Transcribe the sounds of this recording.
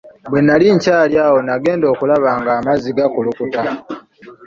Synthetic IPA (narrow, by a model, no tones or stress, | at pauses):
bwe̞nːaliɲcaːljaːwo̞naɡe̞ːndo̞ːkulaβaːŋɡaːmaziɡakulukuta